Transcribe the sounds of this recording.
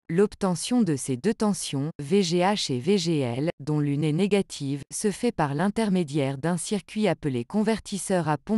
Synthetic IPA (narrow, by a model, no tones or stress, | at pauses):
lɔpt̪ɑ̃sjɔ̃d̪əsed̪øt̪ɑ̃sjɔ̃veʒeaʃeveʒeɛld̪ɔ̃lyneneɡat̪ʰivsəfɛpaʁlɛ̃t̪ɛʁmed̪jɛʁd̪ɛ̃siʁkʲɥiaplekɔ̃vɛʁt̪isœʁapɔ̃